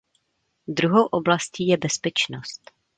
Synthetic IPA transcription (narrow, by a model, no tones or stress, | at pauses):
d̪ɾuɦowʔo̞blasciːjɛbɛspɛt͡ʃnost̪